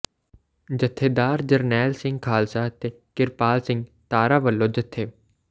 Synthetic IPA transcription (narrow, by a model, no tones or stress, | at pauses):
d͡ʒət̪ʰːeːd̪aːɾd͡ʒəɾnɛːlsɪ̃ŋɡ̚kʰaːlsaːt̪e | kɪɾpaːlsɪ̃ŋɡt̪aːɾaːʋəlːoːd͡ʒət̪ʰːeː